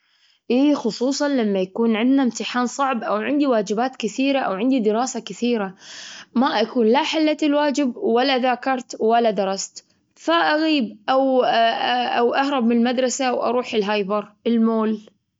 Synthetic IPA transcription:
ʔiːxʊsˤuːsˤɑnlamːajakuːnʕɪnd̪namt̪ɪħaːnsˤɑʕbʔawʕɪnd̪iwaːd͡ʒɪbaːt̪kɪθiːɾaʔawʕɪnd̪id̪ɪɾɑːsakɪθiːɾamaʔakuːnlaħalːat̪ɪlwaːd͡ʒɪbwalːaðaːkɑɾˤt̪walːad̪ɑɾˤɑst̪ | faʔaɣiːbʔaw | ʔawʔahɾˤɑb̚mɪnɪlmad̪ɾˤɑsawʔɑ̰ɾˤuːħɪlɦajbɑɾˤʔɪlmoːl

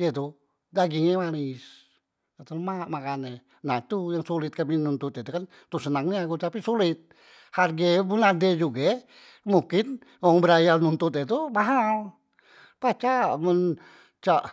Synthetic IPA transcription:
jɛt̪̬u | daɡiŋɛmanɪs | at̪əlmamakanɛ | nat̪ujaŋsulɪt̪̚kaminunt̪ʊt̪it̪ukan | t̪usənaŋniaɡut̪apisulɪt̪̚ | harɡɛbunadɛd͡ʒuɡɛ | mukɪn | ɔŋbəɾajanunt̪ʊt̪̬ɛt̪̬umaɦal | pat͡ʃamən | t͡ʃaʔ

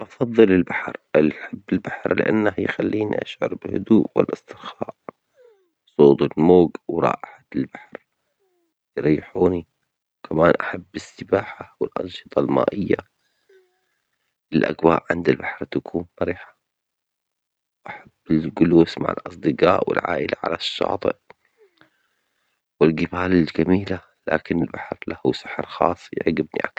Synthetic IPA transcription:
ʔɑfɑðˤːɨlɪlbaħɾʔɪlħabːɪlbaħɾlɪ̰ʔa̰nːahjxalːiːnḭʔaʃʕʊ̰ɾˤbɪhʊ̰d̪uːʔwɪ̰lʔɪsˤt̪ɪxa̰ːʔ | sˤoːt̪ˤɪlmoːɡwɾˤɑ̰ːʔɪħaɪlbaħɾ | jɾjːɪħuːni | wkʰamaːnʔaħabːɪsːɪbaːħawɪlʔɑ̰nʃɨ̥t̪ˤɑlma̰ːʔɪjːa̰ | ɪlʔa̰ɡwa̰ːʔʕɪnd̪ɪlbaħɾˤt̪akʰuːnbaɾiːħḁ | wʔaħabːɪlɡʊluːsma̰ʕɪ̰lʔɑsˤd̪ɨqɑːʔwɪ̰lʕa̰ːʔɪlʔaʕa̰laʃːɑ̰ːt̪ˤɨ̰ʔ | wɪlɡɪbaːlɪlɡamiːla | la̰ːkɪnɪlbaħɾlahusaħɾˤxɑ̰ːsˤːj̰ʕɡɪbnḭʔak

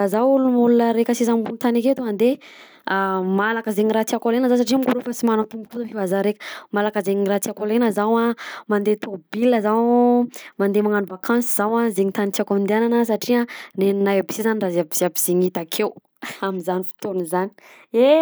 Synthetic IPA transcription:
azawulumulunəɾekʲəsizambunt̪aniket̪uand̪e | amalakəzeɲiɾat͡siakolenəzas̬aʈ͡ʂiamɡuɾufasimanat̪umbukuzəfivazaɾekə̥malakəzeɲiɾat͡siakolenəzawamand̪et̪obiləzaw | mand̪emaŋanuvakʰãnsiz̥awazeŋit̪anit͡siakand̪iananəs̬aʈ͡ʂianennajabi̥sizaniraziabiziabiz̥iŋit̪akʰew | amizanifi̥t̪onzani̥e

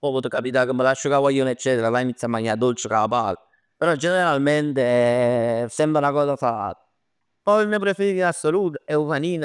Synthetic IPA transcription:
pɔvɔt̪okapit̪akəmːəlaʃːokawajonet͡ʃːɛːt̪eɾavajinit̪sːjamːaɲːad̪olt͡ʃekaapal | peɾɔd͡ʒeneɾeɾalment̪e | sɛmbɾaunakɔːsafaa̰t̪ḁ | pɔimːip̬ɾefeɾiːt̪inasːoluːt̪̬aɛumaniːna

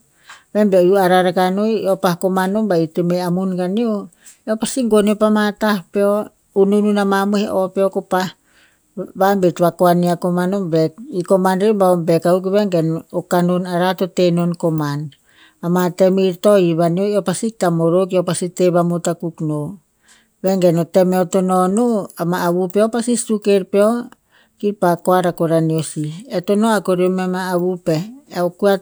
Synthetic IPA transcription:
bembejuaɾaɾakanojopahkomanombaitemeamunɡanio | eopasiŋɡoniopamatahpeo | unununamamuheʔopeokopah | bambetβakoaniakomanombekiko̞manɾebaombekauk̬iβeŋɡenokanonaɾatotenonko̞man | amate̞miɾtoiβaniojopasik̚tamoɾok̬iopasiteβamotakukno | βe̞ŋɡenote̞meotononoamaːβupeopasistukeɾpeo | kiɾpakoaɾakoɾaniosietonoakoɾiomemaːβupeokua

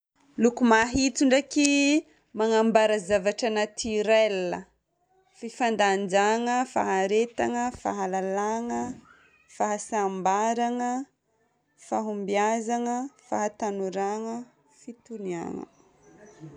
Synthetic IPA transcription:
lukumaɦit͡suɳɖ͡ʐaki | maŋambaɾazavaʈ͡ʂanat̪ʰiɾɛlə | fifand̪and͡ʒaŋəfa̰ɦaɾet̪aŋəfa̰ɦalalaŋə | faɦasambaɾaŋə | faɦumbiazaŋəfaɦat̪anuɾaŋə | fit̪unia̰ŋə̰

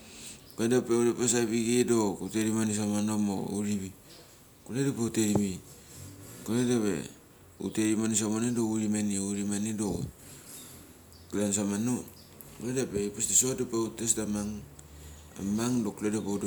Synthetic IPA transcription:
kuedapeudapas̬aβiɡedokuteɾimanis̬amanomo̰uɾiβi | kuledapeuteɾimi | kuledapḛ | ṵteɾimanis̬amonedouɾimaniuɾimanido | kdans̬amano | kuledapeipastisoadopeutesdamaŋ | a̰maŋdokuledapeudo

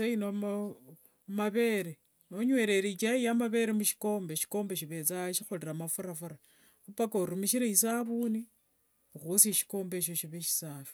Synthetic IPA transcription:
sainom | maβe̞ɾe | oɲwe̞ːɾe̞ɾit͡ʃaijamaβe̞ɾemuʃi̥ko̞ːmbeʃi̥ko̞ːmbeʃ̬iβe̞t͡saʃixoliɾamafuɾafuɾa | upakoɾumiʃiɾeisaβuni | uxusiʃi̥ko̞ːmbe̞ʃ̬o̞ʃiβeʃi̥saːfi̥

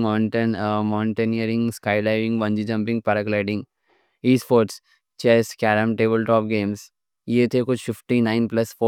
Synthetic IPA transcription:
aːɳʈənmãːɳʈenijəɾɪ̃ŋɡskaːɪlaːɪʋɪ̃ŋɡʋɐ̃nd͡ʒid͡ʒɐ̃mpɪ̃ŋɡ̚pɐɾəklaɪɖɪ̃ŋɡ | iːspoːɾʈs | t͡ʃɛːskɛːɾə̃mʈeːbəlʈɔːpɡeːms | jeːt̪ʰekʊt͡ʃfɪfʈinaɪnplɐsfoː

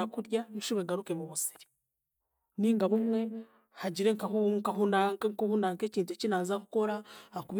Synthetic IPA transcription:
akuɾjauʃiβweːŋɡaɾukemuβusi̥ɾi̥ | niːŋɡaβumwe̞ | haɟiɾe̞ŋkaŋkaɦunaŋkŋkuhunaŋke̞ciːnt̬uecinaːzaku̥ko̞ɾaakuβ

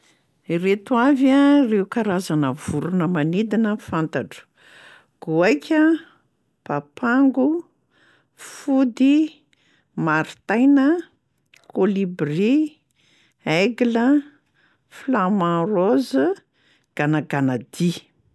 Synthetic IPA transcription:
iret̪uavareukaɾazanəvuɾunəmanid̪inəfant̪aʈ͡ʂu̥ | ɡ̥uajkʲʰə | papaŋɡu | fud̪i | maɾit̪ajnə | kolibri | eɡlə | flamãroz | ɡ̥anaɡanad̪i

